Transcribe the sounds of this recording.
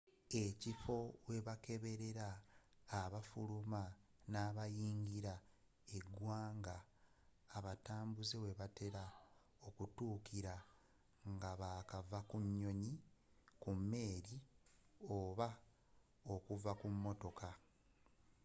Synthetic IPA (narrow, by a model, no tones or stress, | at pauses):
e̞cifo̞we̞βake̞βe̞ɾe̞ɾaː | βafuluma | naːβajiːɲɡiɾa | e̞ɡwaːŋɡaː | βataːmbuzewe̞βate̞ɾa | o̞kutuːkiɾa | ŋɡaβaːkavakuɲːo̞ɲi | kumːe̞ːɾi | oːβa | o̞kuvakumːo̞to̞ka